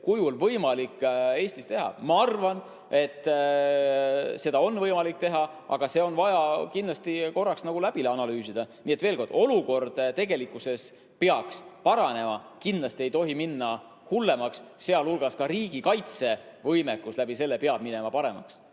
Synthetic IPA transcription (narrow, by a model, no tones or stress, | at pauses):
kujulvɤjmɑlikːe̞ːsʲt̪ist̪e̞ɦɑ̰mɑɑrvɑn | e̞t̪ː | se̞d̪̥ɑo̞nːvɤjmɑlik̚ːt̪e̞ɦɑ | ʔɑ̰ɡ̥ɑse̞o̞nvɑjɑkinlɑst̪iko̞rːɑksnɑɡ̥ulæb̥ileɑnɑlyːsid̪̥ɑniːe̞t̪ve̞ːlko̞rd̪̥o̞luko̞rd̪̥t̪e̞ɡe̞likːˑuse̞s | peɑkspɑɾɑne̞mɑ | kind̪lɑst̪ie̞jt̪o̞ɦiminːɑ | hulːe̞mɑksːe̞ɑlulɡ̥ɑskɑɾiːɡ̥ikɑjt̪se̞ | vɤjmekːuslæb̥ise̞lːepeɑb̥̚minɛmɑpɑɾe̞̰mɑ̰ks